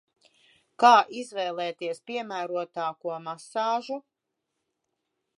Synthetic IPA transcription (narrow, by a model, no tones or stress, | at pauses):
kaːʔizvɛːlˠɛːt̪iɛspʲiɛmæːɾuɔt̪aːkuɔmasɑːʒu